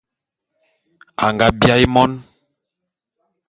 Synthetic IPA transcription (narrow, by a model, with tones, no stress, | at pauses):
a˨ŋɡa˦bja˦i˦mɔ˦n